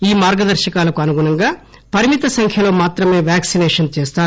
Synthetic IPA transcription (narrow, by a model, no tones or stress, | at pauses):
iːmaːɾɡɐd̪ɐɾʃɐkaːlɐkuɐnuɡuɳɐŋɡaː | pɐɾimit̪ɐsɐŋkʰjɐlo̞ːmaːt̪ɾɐme̞ːʋjaːksinɛːʂɐnt͡ʃeːst̪aː